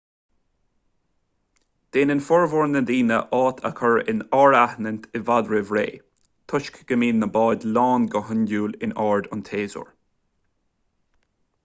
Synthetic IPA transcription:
d̪̥eːnɪnfɔɹvʊɹnəd̪iːnə̰ʔɑːt̪ʰə̰kʰəɹɪ̰nɑːɹahnənʲt̪ʰɪvad̪ɹɪvɹḛː | t̪ʰʊʃkɡ̥əmiːnːəbɑːd̪lɑːnɡəɦənduːlɪnɑːɹd̪ʊnt̪ʰeːzʊ̰ɹ

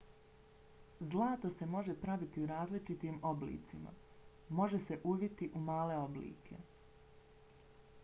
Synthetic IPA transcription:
zlˠaːt̪o̞se̞mo̞ʒe̞pɾaʋit̪iuɾaːzlit͡ʃit̪iːmo̞blḭːt̪sima̰ | mo̞ʒe̞se̞ʔuʋit̪iʔumaːle̞o̞blḭːkʰe̞̰

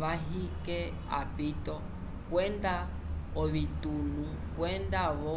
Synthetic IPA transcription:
βaɦikɛ | a̰pitɔ | kwɛnda | ɔβitunu | kwɛndaβɔ

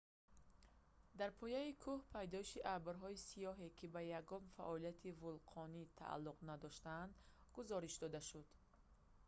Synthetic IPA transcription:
d̪aɾpʰɔjaikʰuhpʰajd̪ɔiʃiʔabɾɦɔisijɔɦekʰibajaɡɔmfa̰ʔɔlijat̪ʰivulqʰɔnit̪ʰa̰ʔa̰lːuqnad̪ɔʃt̪aːnd̪ɡuzɔɾiʃd̪ɔd̪aʃud̪

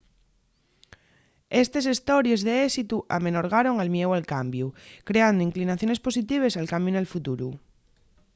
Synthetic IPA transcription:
est̪es̬est̪oɾjezðeesit̪uʔa̰menoɾɣ̞aɾoŋalmjewalkambjukɾeand̪oiŋklinaθjo̞ne̞spo̞sit̪iβ̞esalkamjonalfut̪uɾu

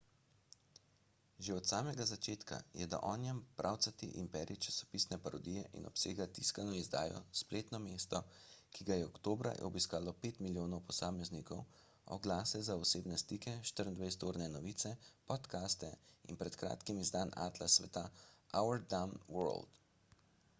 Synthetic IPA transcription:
ʒeɔt̪saːmɛɡazat͡ʃeːt̪ka̰jɛd̪a̰ʔɔːnjɛmpɾʔaːwt̪sat̪iʔimpɛːɾit͡ʃḁsɔ̥piːsnɛpaɾɔd̪ijɛʔḭnɔ̰pseːɡat̪iskanɔizd̪a̰ːjɔ̰spleːt̪nɔmeːst̪ɔkʰiɡajɛɔkt̪oːbɾa̰jɛ̰ɔbiskaːlɔpeːt̪miljoːnɔwpɔsaːmɛznikɔw | ɔ̰ɡlaːsɛzaɔseːbnɛst̪ikɛʃt̪əɾənd̪ʋejst̪oːɾnɛnɔʋiːt̪sɛpɔt̪kaːst̪ɛḭnpɾɛt̪kɾa̰ːt̪kimizd̪aːna̰ːt̪lasʋɛ̰t̪aawɛɾd̪amwɔɾld̪

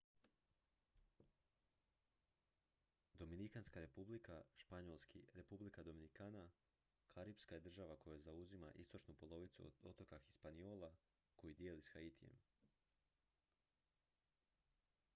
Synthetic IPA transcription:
d̪o̞minikanskaɾe̞publikaʃpaɲolˠskiɾe̞publikad̪o̞minikaːna | kʰaɾipskaje̞d̪r̩ʒaʋako̞jazauzima̰ʔḭst̪o̞t͡ʃnupo̞lˠo̞ʋit̪sṵd̪ot̪o̞kaxi̥spanio̞ːlˠa | ko̞jid̪jeːlisxait̪ʰije̞̰m

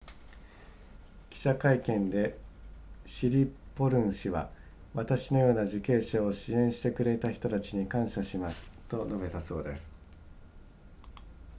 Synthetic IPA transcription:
kʲi̥ɕakaikẽ̞nd̪e̞ | ɕiɾʲipo̞ɾɯ̟̃ɰ̃ɕiβa̰ | βat̪aɕino̞jo̞ːnaʑɨke̞ːɕao̞ɕiẽ̞ɰ̃ɕi̥t̪e̞kɯ̟ɾe̞t̪açi̥t̪o̞t̪at͡ɕiɲ̟ikãɰ̃ɕaɕimasɨ̥t̪o̞no̞be̞t̪aso̞ːd̪e̞sɨ̥

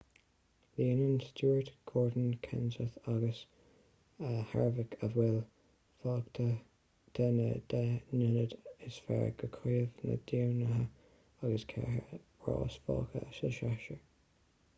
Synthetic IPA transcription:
liːənənstuːət̪ɡ̥ɔːɹdən̩kʰɛnsəθaɡəs | əhaɹvəkʰəvwɛl | fɑːktʰə | t̪ʰənəd̪̥ɛnɪnəd̪ɪsfɛ̰ɹɡ̥əkʰiːəvnə̰d̥̪iwnəɦə | aɡəskʰɛɦə | ɹɑ̰ːsfɑ̰ːkʰə̰səʃaʃəɹ

